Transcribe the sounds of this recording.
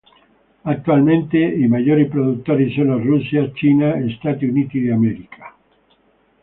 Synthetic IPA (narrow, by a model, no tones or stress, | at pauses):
ak̚t̪ualmẽnt̪eimaʝoɾipɾoðut̪oɾisonasrusjast͡ʃinaest̪at̪iunit̪iðeameɾikʰḁ